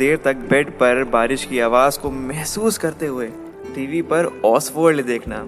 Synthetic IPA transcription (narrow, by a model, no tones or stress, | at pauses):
eːɾt̪ɐk̚bɛɖpɐɾbaːɾɪʃkiaːʋaːzkomɛɦsuːskɐɾt̪eɦʊeː | ʈiːʋipɐɾɔːsfoːɾled̪eːkʰna̰ː